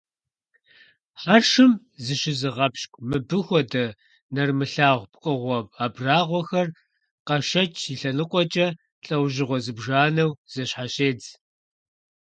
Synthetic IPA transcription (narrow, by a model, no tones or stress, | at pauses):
ħarʂɨm | zɨɕɪzɨʁɐpʃkʷʼmɨbɨxʷɔdɐ | nɐrmɨɬaːʁʷpʼqʼɨʁʷɔbaːbraːʁʷɔxɐr | qɐʃɐt͡ʃʼʰiɬɐnɨqʷʼɔt͡ʃʼɐ | ɬʼɐwʑɪʁʷɔzɨbʒaːnɐwz̥ɐɕħaɕeːd͡z